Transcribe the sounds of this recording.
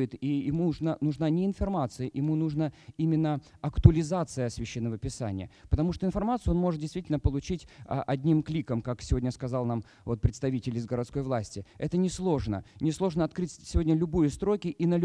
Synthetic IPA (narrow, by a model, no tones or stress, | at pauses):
ɪt̪ijɪmuʐnanʊʐnanʲɪɪnfɐrmat̪sɨjəʔɪmunuʐnəimʲɪnːə | ɐkt̪ʊəlʲɪzat̪sɨjəsʲvʲɪɕːenːəvəpʲɪsa̰nʲɪjəpət̪ɐmuʂt̪oɪnfɐrmat̪sɨjonmo̞ʐɨt̪̚dʲɪjst̪vʲitʲɪlʲnəpəlˠʊt͡ɕitʲə̰ʔɐdʲnʲimklʲikəmkaksʲɪvo̞dʲnʲəskɐzalˠnam | vot̪̚pɾʲɪt̪st̪ɐvʲitʲɪlʲɪzɡəɾɐt̪sko̞jvlˠasʲtʲɪɛt̪ənʲɪslˠo̞ʐnə̰nʲɪslˠo̞ʐnəɐt̪kɾɨtʲsʲɪvo̞dʲnʲəlʲʊbɨjəst̪ɾo̞kʲɪʔinəlʲ